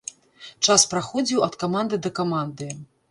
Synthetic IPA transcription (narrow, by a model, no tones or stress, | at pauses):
t͡ʂaspɾaxɔd͡zʲiwɐt̪kamand̪ɨd̪ɐkamand̪ɨ